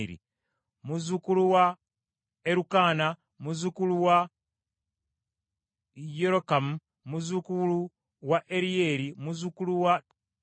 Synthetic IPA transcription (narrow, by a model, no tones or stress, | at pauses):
ɾḭ | muzukuluwa | eɾukaːna | muzukuluwa | jeɾokamu | muzukulu | waʔeɾie̞ːɾimuzukuluwa